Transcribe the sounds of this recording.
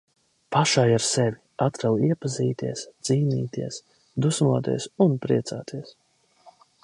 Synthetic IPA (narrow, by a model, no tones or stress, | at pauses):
paʃajaɾsɛvʲi | at̪ɾalˠiɛpaziːt̪iɛsd̪z̥iːniːt̪iɛs | d̪usmuɔt̪ḭɛsunpɾiɛt̪saːt̪ʰiɛs